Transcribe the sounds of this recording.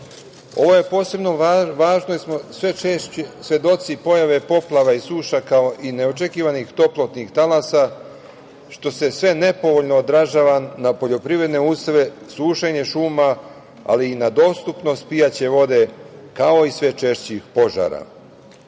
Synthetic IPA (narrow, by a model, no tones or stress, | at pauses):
o̞̰ʋo̞je̞po̞ːse̞bno̞ʋaːʒnoismosʋeesʋe̞d̪o̞t̪sipo̞jaʋe̞po̞plˠaʋaisuːʃakao̞ʔine̞o̞t͡ʃe̞kiːʋanixt̪o̞plˠot̪nixt̪alasa | ʃt̪o̞se̞sʋe̞ne̞po̞ʋo̞ʎnoːd̪ɾaʒaːʋanapo̞ʎo̞pɾiʋɾe̞d̪neusʋe | suːʃeɲe̞ʃuːma | a̰liːnad̪o̞ːst̪upno̞st̪pijat͡ɕe̞ʋo̞d̪e̞kao̞isʋe̞t͡ʃeʃt͡ɕixpo̞ʒa̰ɾa̰